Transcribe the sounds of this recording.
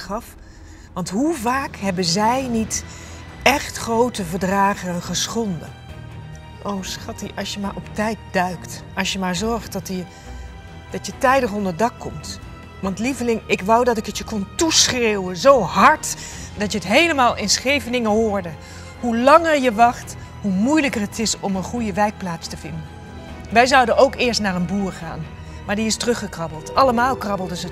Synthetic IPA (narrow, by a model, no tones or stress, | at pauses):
χɑf | ʋɑntɦuvaːkɦɛbənzɛjnit | ɛχtχrowtəvəɹdraːχənχəsχɔndə̰ | ʔowsχɑtiʔɑ̰sjəmaːɹʔɔptɛjt̚dœɥktɑsjəmaːɹzɔɹχtɑtə | d̥ɑtjətɛjdəχɔndəɹdɑkːɔmt | ʋɑntlivəlɪŋɪkʋʌwdɑtɪkətjəkɔntusχrewənzowɦɑɹt | d̥ɑtjəɦətɦejləmaːlˠʔɪnsχejvənɪŋəɦʊːɹdə | ɦulɑŋəɹjəʋɑχt | ɦumujləkərətɪsɔmənχujəʋɛjk̚plaːtstəvɪndən | ʋɛjzʌwdənowkɪːɹstnaːɹənbuːɹχa̰ːn | maːɹdiɪstrɵχəkrɑbəl̩ˠtɑləmaːlˠkrɑbəl̩ˠdəzə